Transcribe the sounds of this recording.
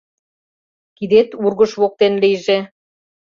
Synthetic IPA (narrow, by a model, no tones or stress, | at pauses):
kid̪et̪urɣə̆ʃβok̚t̪enlijʒe